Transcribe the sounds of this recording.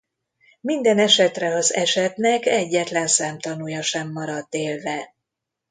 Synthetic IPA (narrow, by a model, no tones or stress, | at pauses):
mind̪ɛnɛʃɛt̪rɛɒzɛʃɛt̪nɛkɛɟːɛt̪lɛnsɛmt̪ɒnujɒʃɛmːɒɾɒd̪ːeːlvɛ